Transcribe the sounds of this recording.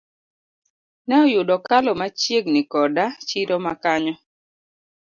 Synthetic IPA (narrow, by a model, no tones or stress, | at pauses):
nɛɔjʊdɔkalɔmat͡ʃjeɡnɪkɔdat͡ʃiɾɔmakaɲɔ